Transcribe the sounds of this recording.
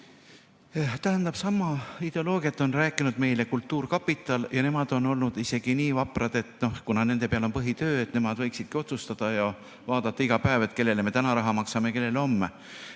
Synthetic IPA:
t̪æɦænd̪ɑb̥sɑmːɑid̪̥e̞o̞lo̞ːɡ̥jɑt̪ːˑo̞nræːkːˑinud̪̥me̞jle̞kult̪ˑːuːrkɑpːit̪ːˑɑljɑne̞mɑd̪̥o̞no̞lnud̪̥ise̞ɡ̥iniːvɑpˑrɑd̪̥e̞t̪ˑno̞hkunɑne̞nd̪̥e̞peɑlo̞npɤɦit̪ø̞ːet̪ːne̞mɑd̪̥vɤ̞jksid̪̥̚kio̞t̪sust̪ɑd̪̥ɑjɑ | vɑːd̪̥ɑt̪ːˑɑiɡ̥ɑpæevet̪ːˑke̞lːe̞leme̞t̪ænɑɾɑɦɑmɑksɑmeke̞lːe̞leo̞mːe

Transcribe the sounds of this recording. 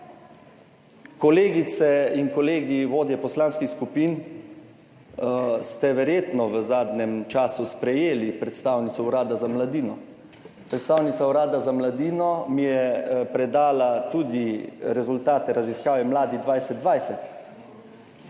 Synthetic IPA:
kɔleːɡit̪sɛinkɔleːɡiʋoːd̪jɛpɔslaːnskixskupiːn | st̪ɛʋɛɾjeːt̪nɔʋəzaːd̪nɛmt͡ʃaːsuspɾɛjeːlipɾɛt̪st̪awnit̪sɔuɾaːd̪azamlad̪iːnɔ | pɾɛt̪st̪aːwnit̪sauɾaːd̪azamlad̪iːnɔmijɛpɾɛd̪aːlat̪uːd̪iɾɛzult̪aːt̪ɛɾaziskaːʋɛmlaːd̪id̪ʋajsɛt̪d̪ʋajsɛt̪

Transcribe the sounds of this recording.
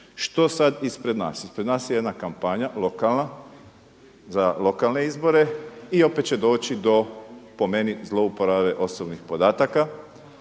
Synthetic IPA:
ʃt̪o̞sad̪ispɾed̪na̰ːsispɾed̪naːsjeje̞d̪nakampaɲalo̞kalna | zalo̞kalne̞izbo̞ɾe̞io̞pe̞t̪t͡ʃed̪o̞ːt͡ʃid̪o̞po̞me̞nizlˠo̞upo̞ɾaʋe̞ʔo̞sobnixpo̞d̪aːt̪aka

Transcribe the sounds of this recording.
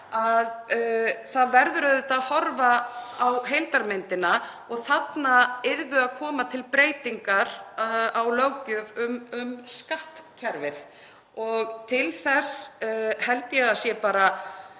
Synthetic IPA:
að | θaðvɛɾðʏɾœðʏt̪aðhɔɾvaawɦejlt̪aɾmɪnt̪ɪna | ɔɣθat̪naɪɾðʏaðkʰɔːmat̪ʰɪlpɾeːjt̪iŋkaɾ̥awlœwcʏvʏmʏmskaht̪cʰɛɾvɪθ | ɔɣt̪ʰɪlθɛshɛlt̪ɪjɛaðsjɛpaːɾa

